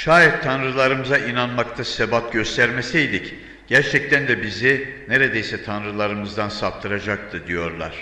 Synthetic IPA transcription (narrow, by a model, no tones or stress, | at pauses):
ʃaːjɛt̪ʰːanɾɯlˠaɾɯmɯzaʔinanmakt̪ʰasebat̪ɟø̞st̪ʰæɾme̞sijd̪ic | ɟ̥æɾt͡ʃʰɛc̚t̪ʰænd̪ɛbizine̞ɾed̪ejsɛt̪ʰanɾɯlˠaɾɯmɯzd̪ansap̚t̪ʰɯɾad͡ʒak̚t̪ʰɯd̪ijo̞ɾlˠa̰ɾ̝̥